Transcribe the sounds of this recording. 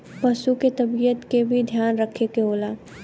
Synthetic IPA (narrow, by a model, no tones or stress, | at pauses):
pɐsuket̪ɐbijət̪kebʱid̪ʱjaːnɾəkʰekeɦoːlaː